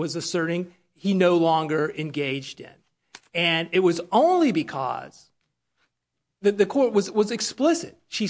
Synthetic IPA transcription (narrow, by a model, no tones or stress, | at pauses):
wʌzɨsɜ˞ɾɪ̃ŋ | inoʊlɔ̃ŋɡə˞ʔɨ̃nɡeɪd͡ʒdɪ̰̃n | ɨ̃nɨt̚wʌzõʊ̃nlibɨkʰʌ̰z̥ | ðɨðɨkʰɔɹt̚wʌzwʌzɨksplɪsɨ̰t̚ʃi